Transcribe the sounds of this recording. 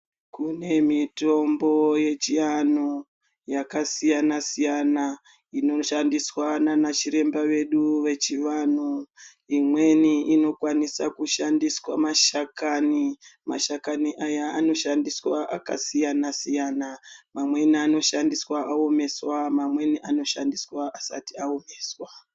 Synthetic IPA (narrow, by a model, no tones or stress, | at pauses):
kune̞mito̞mbo̞je̞t͡ʃijano | jakasijanasijana | ino̞ʃandiswananat͡ʃiɾe̞mbaʋe̞ɗuʋe̞t͡ʃiʋanu | imwe̞niino̞kwanisakuʃandiswamaʃakanima̰ʃakaniʔajaːno̞ʃandiswaʔa̰ka̰sijanasijanamamwe̞niano̞ʃandiswaʔaome̞swamamwe̞niʔano̞ʃandiswaʔːsa̰tiaomeːswa